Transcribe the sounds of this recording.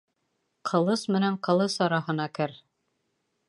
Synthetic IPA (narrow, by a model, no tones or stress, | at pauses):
qʰɤ̆lˠɤsmɘ̆næɴqɤ̆lˠɤsɒɾɑhɤ̆nɑkɘɾ